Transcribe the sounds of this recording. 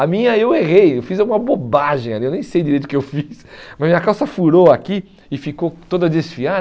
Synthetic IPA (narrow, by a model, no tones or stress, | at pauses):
amĩɲɐeweʁejewfizawɡũmɐbobaʒẽj̃aliewnẽj̃sejd̪iɾejt̪ʊkɪewfismɐzmĩɲɐkawsɐfuɾoaki | ɪfikot̪od̪ɐd̪esfia